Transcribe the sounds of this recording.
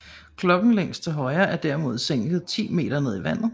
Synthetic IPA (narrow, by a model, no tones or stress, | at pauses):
kʰlɒ̽ɡ̥n̩leŋ̰sd̥̚t͡sʰe̝lɦɒ̽ɪɐʔæɐd̥æɐmo̝ð̞ˠseŋ̰ɡ̥ð̩ˠt͡sʰḭːme̝̰ːɾ̥ɐne̝ð̞̰ˠiʋæn̰ð̩ˠ